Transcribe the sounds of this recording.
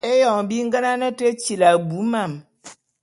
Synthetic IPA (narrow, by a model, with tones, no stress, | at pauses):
e˦jɔ˨ŋbi˦ŋ̩˦ɡə˦na˦nə˦te˦t͡ʃi˨la˨bu˨˦ma˦˨m